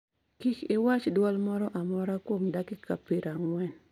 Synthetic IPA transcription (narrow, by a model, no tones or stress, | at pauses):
kikɪwat͡ʃdwɔlmɔɾɔʔamɔɾakwomdakɪkʰapeɾaŋwɛn